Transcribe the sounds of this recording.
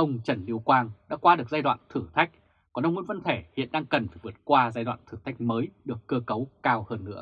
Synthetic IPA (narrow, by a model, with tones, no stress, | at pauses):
ʔə˧wŋ͡mt͡ɕə˧˩nli˧əwkwaː˧ŋɗa̰ː˧˥kwaː˧ɗɨ˨˩ək̚zaː˧jɗwa̰ː˧˨nt̪ʰɨ˧˩t̪ʰa˦˥jk̚ | kɔ˨˩nʔə˧wŋ͡mŋḭ˧˥nvə˧nt̪ʰe˧˩hḭ˧˨ənɗaː˧ŋkə˨˩nfaː˧˩jvɨ˨˩ət̚kwaː˧zaː˧jɗwa̰ː˧˨nt̪ʰɨ˧˩t̪ʰa˦˥jk̟̚məː˨˦jɗɨ˨˩əkːəː˧kə˨˦wkaː˧whəː˧nːɨ̰˧˥ə